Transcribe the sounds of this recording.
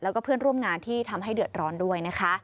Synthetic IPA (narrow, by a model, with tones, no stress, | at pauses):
lɛː˦˥wkɔː˥˩pʰɯ˥˩ənɾu˥˩əmŋaː˧nt̪ʰiː˥˩t̪ʰa˧mɦa˥˩jdɯ˨˩ət̪̚ɾɔː˦˥ndu˥˩əjna˦˥kʰa˦˥